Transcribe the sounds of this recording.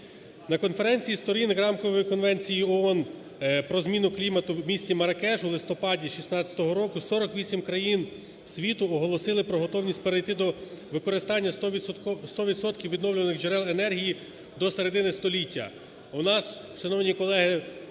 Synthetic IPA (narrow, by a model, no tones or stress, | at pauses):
nɐkɔnfeɾɛnʲt͡sʲijist̪ɔɾʲinɣɾɑmkɔʋɔjikɔnʋɛnʲt͡sʲijiɔɔn | pɾɔzmʲinʊklʲimɐt̪ʊwmʲisʲt͡sʲimɐɾɐkɛʒʊwlˠɪst̪ɔpɑdʲiʃisnɑt͡st͡sʲɐ̥t̪ɔɦɔɾɔkʊsɔɾɔkʋʲisʲimkɾɐjin | sʲʋʲit̪ʊɔɦɔlˠɔsɪlˠɪpɾɔɦɔt̪ɔwnʲisʲtʲpeɾejt̪ɪd̪ɔʋɪkɔɾɪst̪ɑnʲːɐ | st̪ɔʋʲid̪sɔt̪kʲiwʋʲid̪nɔwlʲʊʋnɪxd͡ʒeɾɛlˠenɛrɦʲiji | d̪ɔseɾe̞d̪ɪnɪst̪ɔlʲitʲːɐ̰ | ʊnɑs | ʃɐnɔwnʲikɔlˠɛɦɪ